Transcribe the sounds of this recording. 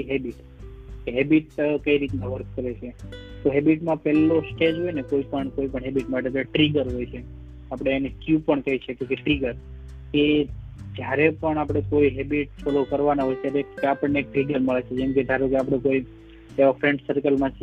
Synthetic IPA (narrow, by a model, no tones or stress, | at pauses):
iɦebiʈ | eɦebiʈ̚kəiɾit̪nãʋəɾk̚kəɾet͡ʃʰet̪oɦebiʈmãpɛlːosʈed͡ʒɦojnekoipəɳkoipəɳɦɛbiʈmaeʈet̪aeʈɾiɡəɾɦojt͡ʃʰe | apɽ̃enekjupəɳkəiʃʰekekeʈɾiɡəɾ | e | d͡ʒjaɾepəɳapɽ̃ekoiɦebiʈ̚fɔlokəɾʋanaɦojt̪jaɾekeapəɳneːk̚ɾiɡəɾməɭet͡ʃʰed͡ʒɛmked̪ʱaɾokeapɽ̃ẽkoi | eʋafɾẽɳɖsəɾkəlmãt͡ʃʰ